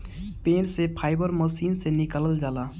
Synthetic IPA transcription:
pẽːnsepʰaːɪbəɾmoːsiːnsenɪkələld͡ʒaːlaː

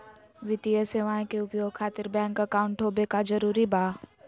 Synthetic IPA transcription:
ʋɪt̪ijəseːʋãːkeʊpjoːɡ̚kʰaːt̪ɪɾbɛ̃ːŋkɐkaʊ̃ɳʈɦoːbekad͡ʒɐɾuːɾibaː

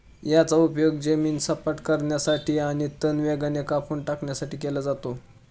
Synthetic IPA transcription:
jat͡saupjoɡd͡ʑemiːnsəpəʈkəɾɳjasaʈiːaɽ̃it̪ənʋeɡanekapʰuɳʈakɳjasaʈiːkelad͡zat̪o

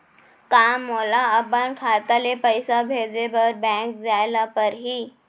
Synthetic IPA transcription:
kamːolaəbankʰat̪alepəjsabʱed͡zebəɾbɛ̃k̚d͡zajlapəɾɦiː

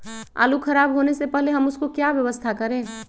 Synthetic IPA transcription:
a̰ːlukʰɐɾaːbɦoːnesepɛɦleɦɐmʊskokjaʋjɐʋəst̪ʰakɐɾẽː

